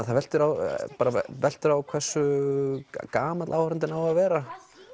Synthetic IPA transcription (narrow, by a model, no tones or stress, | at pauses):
θavɛl̥t̪ɪɾawpaːɾavɛl̥t̪ʏɾawkʰvɛr̥sːʏ | kaːmat̪lʔawhɾʏnt̪̬ɪnawaðvɛːɾa